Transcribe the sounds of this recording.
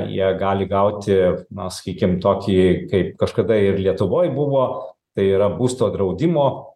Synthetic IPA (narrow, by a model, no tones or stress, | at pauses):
jḭɛɡɑːlʲɪɡɐʊt̪ʲɪnɐsɐ̥kʲiːkʲɪmt̪oːkʲiːkɐɪp̚kɐʃkɐd̪ɐɪɾlʲiɛt̪ʊʋoːjbʊʋoːt̪ɐɪiːɾɐbuːst̪oːd̪ɾɐʊd̪ʲɪmoː